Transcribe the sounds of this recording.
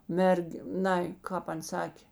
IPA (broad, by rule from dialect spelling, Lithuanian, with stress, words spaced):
ˈmʲɛrʲkʲ ˈnɐɪ ˈkɑːp ˈɐn ˈsɑːkʲeː